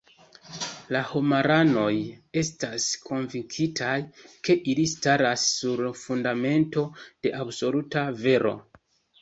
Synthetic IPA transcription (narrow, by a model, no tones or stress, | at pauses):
lahomaɾano̞je̞staskʰo̞nviŋkʰitʰajke̞ʔilistaɾasːuɾfundame̞nto̞d̥e̞ʔabso̞lutave̞ɾʔo̞̰